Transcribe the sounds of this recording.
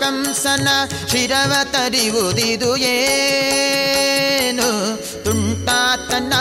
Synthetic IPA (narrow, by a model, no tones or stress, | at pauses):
kɐmsɐnɐ | ʂiɾɐʋɐt̪ɐɾiʋud̪id̪ujeː | nu | t̪uɳʈaːt̪ːɐnːɐ